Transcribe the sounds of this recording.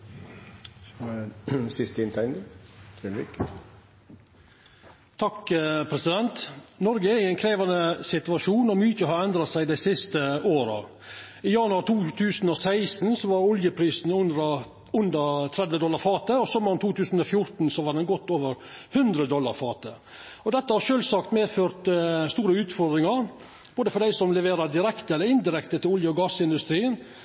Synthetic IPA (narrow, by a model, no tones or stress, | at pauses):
sɪst̪ɪnt̪ʰɛnd̪ət̪ʰɾɛlʋɪk | t̪ʰɑkpʰɾɛsɪd̪ɛnt̪nɔɾɡəɛɾɪɛɪnkʰɾeːʋɑnəsɪt̪ʉɑʂuːnɔmyːçəhɑɾɛnd̪ɾɑsæɪd̪æɪsɪst̪əoːɾɑ̰ | ijɑnʉɑɾt̪ʰuːt̪ʰʉːsn̩ɔːsæɪsn̩sɔʋɑɾʊljəpʰɾiːsn̩ʊnɾɑ | ʉnd̪ət̪ʰɾɛd̪ʋəd̪ɔlːɑɾfɑːt̪əɔsɔmːəʊmt̪ʰuːt̪ʰʉːsn̩ɔfjʊɾt̪n̩sɔʋɑɖ̪ɛnɡɔt̪ːoːʋəɾ | hʉnd̪ɾəd̪ɔlːɑ̰ɾfɑːt̪ə | ɔd̪ɛt̪ːəhɑɾʂøːlsɑkt̪meːd̪føːɾt̪st̪uːɾəʉːt̪fɔɾd̪ɾɪŋɑɾ | b̥oːd̪əfɔɖ̪æɪsɔmlɛʋeːɾɑd̪ɪɾɛkt̪əɛlːəɾɪnd̪ɪɾɛkt̪ət̪ɪlʊljəɔɡɑsɪnd̪ʉst̪ɾiːən